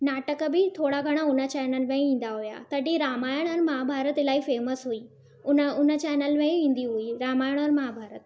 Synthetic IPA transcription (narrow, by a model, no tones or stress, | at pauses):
naːʈəkbɪt̪ʰoːɽaɡʱɐɽ̃aʊnə̆t͡ɕɛːnəlmẽĩːn̆d̪aɦuja̰t̪ɐɖiɾaːmaːjəɽ̃əɾmaːɦabʱaːɾət̪laːifeːməsɦuiː | ʊnʊnə̆t͡ɕɛːnəlmẽĩːn̆d̪iɦuiɾaːmaːjəɽ̃əɾmaːɦabʱaːɾət̪